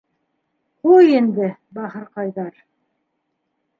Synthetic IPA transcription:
qujend̪ɘbɑhɤ̆ɾqɑjðɑɾ

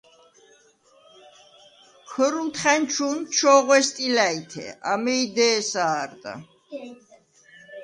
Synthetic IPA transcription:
kʰəɾunt̪ʰχɛnt͡ʃʰunt͡ʃʰɔʁwɛst̪ʼilait̪ʰɛ̰a̰mɛid̪ɛːsaːɾt̪ʼa̰

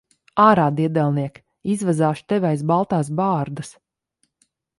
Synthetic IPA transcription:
aːɾaːd̪iɛd̪ɛlˠniɛk | izvazaːʃt̪ɛvʲajsbalˠt̪aːs̬baːɾd̪as

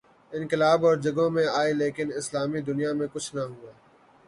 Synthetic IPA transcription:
ɪ̃nkɪlaːbɔːɾd͡ʒɐɡõmẽaːeleːkɪnɪslaːmid̪ʊnijamẽkʊt͡ʃʰnɐɦuaː

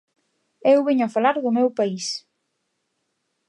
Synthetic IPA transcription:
ewβiɲʊafalaɾðʊmewpais

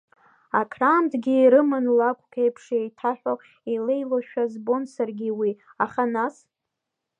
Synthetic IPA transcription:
akʰraːmdɡʲiːɾɨmɨnlakʷʼkʲʰejpʰʂejtʰaħᶣo | ile̞jloʃᶣazbo̞nsarɡʲiwiaχanas

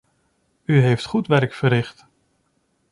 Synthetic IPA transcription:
yɦejftχutʋɛrkfəɾɪχt

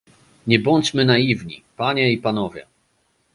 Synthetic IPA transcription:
ɲɛbɔɲt͡ɕmɘnajivɲḭpaɲɛipanɔvʲjɛ̰

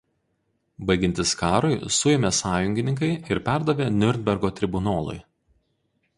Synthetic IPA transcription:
bɐɪɡʲɪnʲt̪ʲɪskɑːɾʊɪsʊjɛmʲeːsɑːjʊŋʲɡʲɪnʲɪŋk̬ɐɪɪɾpʲæˑɾd̪ɐʋʲeːnʲʊɾʲnʲbʲɛɾɡoːt̪ʲɾʲɪbʊnoːlˠʊ̰ɪ

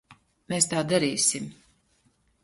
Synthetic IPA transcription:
meːst̪aːd̪aɾiːsim

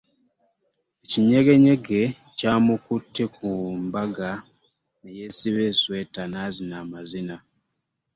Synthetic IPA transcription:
eciɲe̞ɡe̞ɲe̞ɡe̞ | caːmukutʰːekumbaɡa | nejesiβeːsweːtanaːzinamazina

